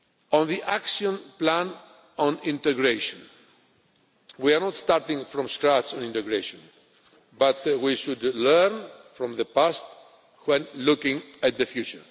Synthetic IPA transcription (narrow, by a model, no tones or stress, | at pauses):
ɔ̃nðiʔakʃiɔ̃nplæ̃n | ɔ̃nĩnt̪ɛɡɾeʃɔ̃n | wiaɾnɔt̪st̪aɾt̪ɪ̃ŋfɾɔ̃mskɾat̪sɔ̃nĩntɛɡɾeʃɔ̃n | bat̪wiʃud̪lɛɾnfɾɔ̃mðəpast̪ | wɛ̃nlʊkɪ̃ŋæt̪̚ðəfjʉt͡ʃə˞